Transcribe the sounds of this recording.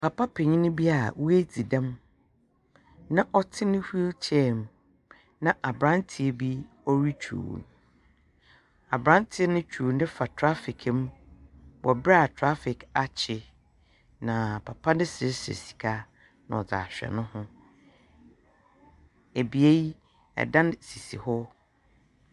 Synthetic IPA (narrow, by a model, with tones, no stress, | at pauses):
pʰa˨pʰa˦pʰe˨ɲĩ˦nʊ̃˦bi˦a˨wu˦e˦d͡zi˨dã˦m | nã˦ʔɔ˦tʰɪ˦nɪ̃˦hu˦e˦t͡ɕʰɛ˦˨m | nã˨ʔa˨bɾã˦ntʰi˨e˦bi˦ | ɔ˦ɾi˦t͡ɕʰṵː˨n | a˨bɾã˦ntʰɪ˦ɛ˦nɪ̃˦t͡ɕᶣʰu˨n˦dɪ̃˦fa˨tʰɾa˦fɪ˨kʰɪ˦m˦wɔ˨bɾa˦˨tʰɾa˦fɪ˨ka˨t͡ɕʰɪ˨ | nã˨pʰa˨pʰa˦dɪ̃˦sɪ˨˦sḛ˨si̥˨kʰa˦ | nã̰˨ɔ˨d͡za̰˨ɕᶣɛ̰˨nʊ̃˦hʊ̃˦ | e˨bi˨e˦ji˦ | ɛ̰˨dã˦n˦si˨si˨hɔ˦